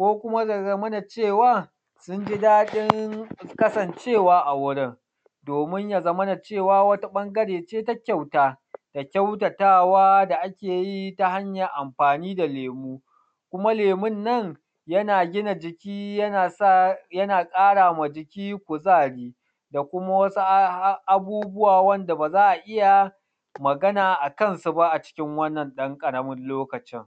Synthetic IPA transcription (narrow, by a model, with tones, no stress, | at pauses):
kʷoː˦kʷʊ˦ma˦a˨ɐ˦mɐ˦na˨t͡ʃeː˦˨waː˦ | sʊ˦nd͡ʒi˦daː˦ɗɪ˦ŋkɐ˦sɐ˨nt͡ʃeː˦˨waː˦ʔa˨wʊ˦ɽɪ˦ŋ | doː˨mɪ˦ɲja˨zɐ˦mɐ˦na˨t͡ʃeː˦˨waː˦wɐ˦ta˦ɓɐ˦ŋɡɐ˦ɽeː˨t͡ʃeː˦ta˦kʲa˦˨wtaː˦ | d̥a˨kʲa˦wtɐ˨taː˦˨waː˦da˨ʔa˦kʲeː˨ji˦ta˨ha˦ɲjɐ˨ʔa˨mɸaː˨niː˦da˨leː˨muː˦ | kʷʊ˦ma˦leː˨mɪ˦nːɐ˦˨ŋ | jɐ˦naː˨ɡʲɪ˦na˨d͡ʒɪ˨kʲiː˦jɐ˦naː˨sa˦jɐ˦naː˨kʼaː˦ɽaː˨ma˨d͡ʒɪ˨kʲiː˦kʷʊ˨zaː˦˨ɽiː˦ | da˨kʷʊ˦ma˦wɐ˦su˦ʔa˦˨buː˦bʊ˦waː˨wɐ˦nda˨baː˨zaː˦ʔa˨ʔɪ˦ja˨ | mɐ˨ɡɐ˦naː˨ʔa˨kɐ˦nsu˨ba˦ʔa˨t͡ʃɪ̥˦kʲɪ˦ŋwɐ˦nːɐ˨nɗɐ˦ŋkʼɐ˨ɽɐ˦mɪ˦nloː˦kɐ˨t͡ʃɪ˦ŋ